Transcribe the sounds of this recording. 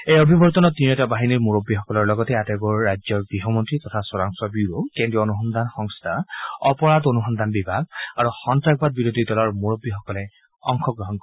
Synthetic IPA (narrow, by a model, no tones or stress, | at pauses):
ejobʱibɔɹt̪ɔnɔtinɛtabaɦiniɹmuɹobːixɔkɔlɔɹlɔɡɔtɛatɛɡɔɹːajd͡ʒzɔɹɡiɦɔmɔntɹitɔtʰaswɔɹaŋsɔbiɹokendɹiɔonuxɔnd̪anxɔŋst̪ʰaɔpɔɹadonuxɔnd̪anbibʱaɡ̚aɹuxɔntak̚bad̚biɹod̪ʱidɔlɔɹmoɹobːixɔkɔlɛ | ɔ̰ŋxʰɔɡɹɔɦɔnkɔ